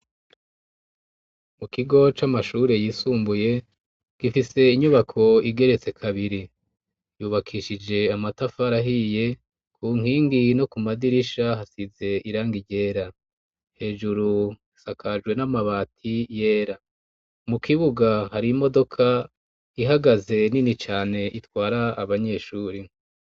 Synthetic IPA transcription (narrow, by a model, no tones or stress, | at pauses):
mukiɡo̞t͡ʃamaʃuːɾe̞jiːsuːmbuje̞ | ɡ̥ifise̞iɲuβakʰo̞iɡe̞ɾe̞t͡se̞kʰaβiɾi | juːβakʰiːʃid͡ʒe̞amatafaɾaɦije̞ | kʰuŋhiːŋɡino̞kumadiɾiʃaɦasize̞iɾaːŋɡiɟe̞ːɾa | he̞ːʒuɾu | sakʰad͡ʒɡwe̞namaβaːtʰije̞ːɾa | mukʰiβuɡahaɾimo̞do̞kʰa | iɦaɡaze̞ninit͡ʃaːne̞ʔitwaːɾaːβaɲe̞ʃuːɾi